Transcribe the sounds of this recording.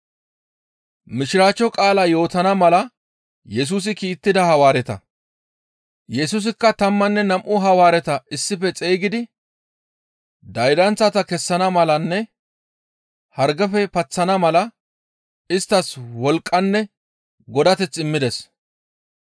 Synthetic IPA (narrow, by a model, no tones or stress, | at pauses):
mɪʃɪɾaːt͡ʃːɔkʼaːlaːjo̞ːt̪ɐnɐmɐlɐ | jɛs̬uːs̬ɪkiːt̪ːɪd̪ɐhɐwaːɾɛt̪ɐ̰ | jɛs̬uːs̬ɪkːɐt̪ɐmːɐnːɛnɐmʔʊɦɐwaːɾɛt̪ɐɪsːɪfɛt͡sʼeːɡɪd̪ɪ | d̪ɐjd̪ɐnt͡sːɐt̪ɐkɛsːɐnɐmɐlɐnːɛ | hɐɾɡɐfɛpɐt͡sːɐnɐmɐlɐ | ɪst̪ːɐswɔlkʼːɐnːɛ | ɡɔd̪ɐt̪ɛt͡sːɪmːɪd̪ɛs